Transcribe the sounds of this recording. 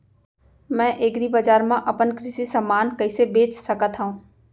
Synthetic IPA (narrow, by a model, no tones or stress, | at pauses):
mɛ̃ːʔeːɡɾibɐd͡ʒaːɾmãʔɐpənkɾɪsisɐmːaːnkɐɪsebeːt͡ʃsɐkət̪ɦũː